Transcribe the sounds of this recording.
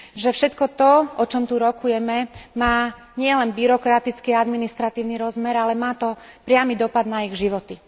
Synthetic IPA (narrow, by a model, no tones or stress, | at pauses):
ʒɛfʃɛt̪kɔt̪ɔɔt͡ʃɔmt̪uɾɔkujɛmɛmaː | ɲɪɛlɛnbiɾɔkɾat̪it͡skiad̪minist̪ɾat̪iːʊniɾɔzmɛɾalɛmaːt̪ɔpɾɪamid̪ɔpad̪naiɣʒiʋɔt̪i